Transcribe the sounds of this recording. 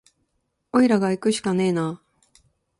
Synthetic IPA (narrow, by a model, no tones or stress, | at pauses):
oiɾaɡaikɯ̟ɕi̥kane̞ːna